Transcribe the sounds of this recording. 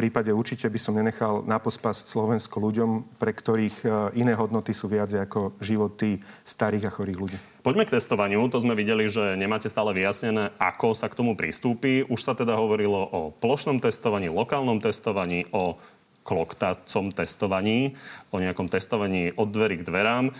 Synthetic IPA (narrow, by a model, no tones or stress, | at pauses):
pɾiːpaɟɛuɾt͡ʃicɛbisɔmɲɛɲɛxalnapɔspascslɔʋɛnskɔluɟɔmpɾɛkt̪ɔɾiːxinɛːɦɔd̪nɔt̪isuːʋɪad͡zjakɔʒiʋɔt̪ist̪aɾiːɣaxɔɾiːɣluɟiː | pɔɟmɛk̚t̪ɛst̪ɔʋaɲɪut̪ɔzmɛʋiɟɛliʒɛɲɛmaːcɛst̪aːlɛʋijasɲɛnɛːʔa̰kɔsakt̪ɔmupɾḭst̪uːpiʔuʃsat̪ɛd̪aɦɔʋɔɾilɔʔɔplɔʃnɔmt̪ɛst̪ɔʋaɲiːlɔkaːlnɔmt̪ɛst̪ɔʋaɲiːʔɔ | klɔkt̪at͡sɔmt̪ɛst̪ɔʋaɲiːɔɲɛakɔmt̪ɛst̪ɔʋaɲiːʔɔd̪ːʋɛɾiɡd̪ʋɛɾaːm